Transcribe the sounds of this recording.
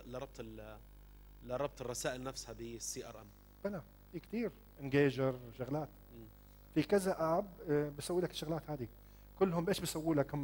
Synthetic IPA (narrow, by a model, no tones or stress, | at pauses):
lɑɾˤɑb̚t̪ˤɪl | lɑɾˤːɑb̚t̪ˤɪrˤːɑsaːʔɪlnafshabisːiːʔɑ̰ɾˤʔa̰m | b̥ɪna | fiːkt̪iːɾ | ʔɪnɡeːd͡ʒɑɾˤʃʊɣlaːt̪ː | fikɪzaʔaʕabbɪsawːiːlakʃʊɣlaːt̪haːd̪i | kʊlːhʊmbʔeːʃbɪsawːuːlakhʊm